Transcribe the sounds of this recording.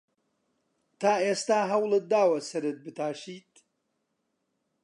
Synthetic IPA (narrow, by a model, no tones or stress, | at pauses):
t̪ʰaːeːst̪aːɦɐwlˠɨt̪̚d̪aːwɐsɐɾɨt̪̚bɨt̪ʰaːʃiːt̪̚